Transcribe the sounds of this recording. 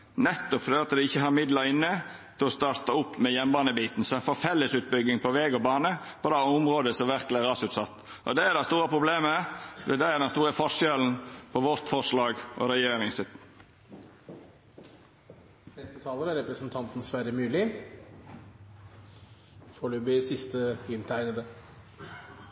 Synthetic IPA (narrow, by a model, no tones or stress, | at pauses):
nɛt̪ːɔpfɾøɑt̪d̪ɛɪçːəɦɑːɾmɪd̪lɑɾɪnːət̪ʰɪlɔst̪ɑːɾt̪ɑʊpːmɛjɛmbɑːnəbiːt̪n̩sɔɛnfɔɾfɛlːəsʉːt̪̚bʏɡːɪŋpɔʋɛːɡɔbɑːnə | pʰɔd̪æʊmɾoːd̪əsɔʋæɾkəlɪæɾɑsʉːt̪sɑt̪ː | ʔɔd̪ɛæd̪æst̪uːɾəpʰɾʊbleːməʋɛd̪ɛæd̪ɛnst̪uːɾəfɔʂɛln̩pʰɔʋɔɾt̪fɔʂlɑːɡʔɔ̰ɾɛjeːɾɪŋsɪt̪ | nɛst̪ət̪ʰɑːləɾæɾɛpɾəsnt̪ʰɑnt̪n̩sʋæɾəmʉːlɪ | foɖʉːbɪsɪst̪əɪnt̪ʰæɪnəd̪ə